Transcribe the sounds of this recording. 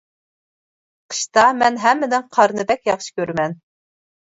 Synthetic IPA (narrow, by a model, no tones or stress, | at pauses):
qʰə̥ʃt̪ɑmɛnɦɛmːɪd̪ɪŋqʰɑɾnɨb̪ɛkʲjɑχʃɨ̥kʲøɾmɛn